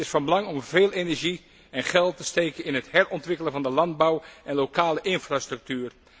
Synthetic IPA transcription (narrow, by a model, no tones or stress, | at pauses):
ɪsfɑnbəlɑŋɔmveːlˠenɛɹʒi | ɛnχɛlˠtəsteːkəɪnɦəthɛrɔntʋɪkələnvɑndəlɑnd̚bawɛnlokaːləʔɪnfrastrɵk̚tyːr